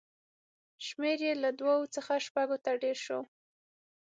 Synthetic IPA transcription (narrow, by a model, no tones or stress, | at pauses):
ʃmeɾjelad̪wawot͡səxaʃpaɡot̪aɖeɾʃo